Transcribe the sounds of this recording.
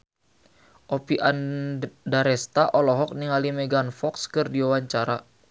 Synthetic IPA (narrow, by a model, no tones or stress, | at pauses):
ʔopiʔandaɾɛst̪aʔɔlɔɦɔk̚niŋalimɛɡanfɔkskɨrdiawaɲt͡ʃaɾa